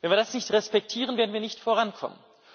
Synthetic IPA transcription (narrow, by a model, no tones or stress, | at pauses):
vɛnviɐdasnɪçtʁɛspɛk̚tʰiːʁənveɐdn̩viːɐnɪçtfoːʁankʰɔ̰mə̰n